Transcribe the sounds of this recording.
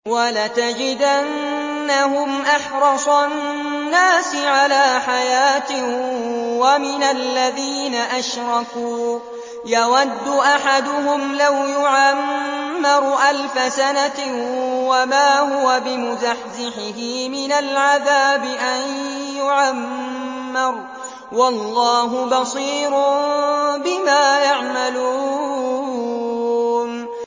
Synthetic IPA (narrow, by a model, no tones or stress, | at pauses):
walat̪ad͡ʒɪd̪ʔanː | aɦʊmʔaħɾˤɑsˤɑ | nːaːsɪʕalaːħajaːt̪ɪ | wamɪnalːaðiːnaʔaʃɾˤɑkuː | jawad̪ːʊʔaħad̪ʊɦʊmlawjʊʕamːɪɾˤʔalfasana | wamaːhʊwabɪmʊzaħzɪħɪɦɪmɪnalʕaðaːbɪʔanjʊʕamː | ɪɾˤ | wɑlˤːɑːɦʊbɑsˤiːɾ | bɪmaːjaʕmaluː | n